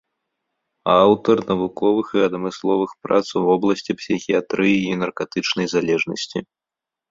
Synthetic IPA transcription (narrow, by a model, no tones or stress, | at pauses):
awt̪ɐrnɐvukɔvɨxiɐd̪mɨslˠɔvɨxpɾa̰t̪swvɔblˠɐsʲt͡sʲipsʲixʲijat̪ɾɨjiinɐrkat̪ɨt͡ʂnɐjzalʲɛʐnɐ̰sʲt͡sʲi